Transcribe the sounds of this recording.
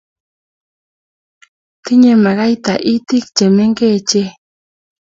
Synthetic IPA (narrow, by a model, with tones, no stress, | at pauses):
t̪ɪ˦ɲe˨ma˨ɣa˦jt̪a˨ʔi˦t̪i˦k̚t͡ʃe˨me˦ŋɡe˦t͡ʃe˦